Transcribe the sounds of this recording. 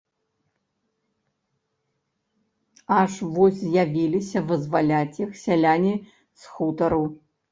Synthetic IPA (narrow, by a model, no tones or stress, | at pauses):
aʂvosʲzjavʲilʲisʲɐvɨzvalʲatʲjixsʲalʲanʲi | sxut̪ʰɐɾu